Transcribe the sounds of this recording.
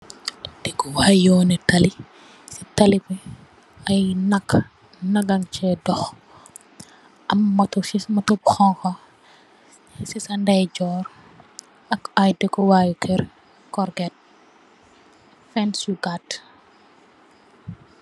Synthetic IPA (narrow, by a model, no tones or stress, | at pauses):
d̥ɛkɔwajjɔːnɛtɐli | si̥tɐlipɛ | ɐjnɐkː | nɐɡaŋt͡ʃɛdɔx | ʔɐmːɐtɔimɐtɔbxɔŋkɔ | sisɐndɛjɟɔːɾ | ɐkɐjdɛkɔwajukʰɛɾ | kɔɾɡɛt̚ | fɛnsuɡat